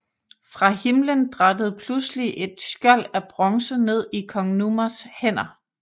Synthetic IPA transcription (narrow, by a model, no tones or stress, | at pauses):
fʁɑ̈himlənd̥ʁɑ̈d̥əð̞̩ˠpʰlusliʔe̝d̥sɡ̥ɶl̰æb̥ʁɒ̽ŋsəne̝ð̞̰ˠikʰɒ̽ŋnumɐshen̰ɐ